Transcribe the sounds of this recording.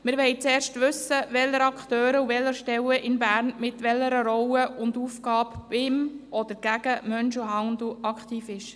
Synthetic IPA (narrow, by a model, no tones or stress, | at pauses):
mɪɾʋɛɪt͡sɛːɾʃtʋʏsəʋɛlːəɾɑkχt̪øːɾəuvɛlːəɾʃtɛwəʔɪnbæːɾnmɪt̪ʋɛlːəɾəɾɔwəʊndufkɑːpbɪmʔɔd̪əɾɡ̥æɡ̥əmœnʃuɦɑnd̪̩ʔɑkt̪iːfɪʃ